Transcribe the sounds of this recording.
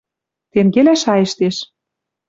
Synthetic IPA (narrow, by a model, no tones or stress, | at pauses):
t̪emɡelæʃɑjə̆ʃt̪eʃ